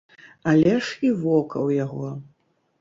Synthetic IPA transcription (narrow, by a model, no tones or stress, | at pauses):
alʲɛʂivɔkɐ̰wjaɣɔ